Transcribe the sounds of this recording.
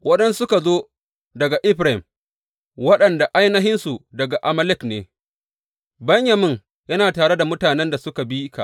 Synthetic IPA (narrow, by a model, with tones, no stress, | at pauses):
wɐ˦ɗɛ˦nsʊ˦ka˨zoː˦ | dɐ˨ɡa˨ʔɪ˦ɸɾa˨ɪ˨m | wɐ˦ɗɐ˨nda˨ʔa˦jnɐ˦ɦɪ˦nsu˨dɐ˨ɡa˨ʔa˨mɐ˦lɪ˦knḛː˨ | bɐ˦ɲjɐ˨mɪ˦ŋ | jɐ˦naː˨taː˨ɽe˦da˨mʊ˦taː˨nɛ˦nda˨sʊ˦ka˨bi˦ka̰˨ʔ